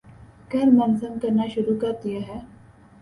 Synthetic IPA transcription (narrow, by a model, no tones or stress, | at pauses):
kɐɾmɐnsəmkɐɾnaʃʊɾukɐɾd̪ijaɦɛː